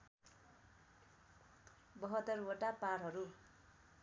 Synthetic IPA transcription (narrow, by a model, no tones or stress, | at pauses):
bʌɦʌt̪ːʌrwoʈapaɾɦʌɾu